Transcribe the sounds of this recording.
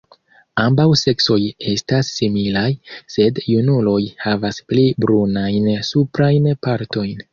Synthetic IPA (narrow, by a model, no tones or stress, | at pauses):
ambawse̞kso̞je̞stasːimilajse̞djunulo̞jhavasplibɾunajnsupɾajnpaɾto̞jn